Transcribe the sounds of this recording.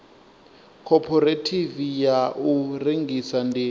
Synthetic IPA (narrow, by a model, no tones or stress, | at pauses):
kʰɔpʰɔretʰivijaʔureŋɡisandi